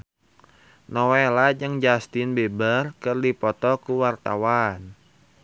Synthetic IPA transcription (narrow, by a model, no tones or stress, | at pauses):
nɔwelad͡ʒɨŋd͡ʒast̪ɪnbebərkɨrdipɔt̪ɔkuwart̪a̰wan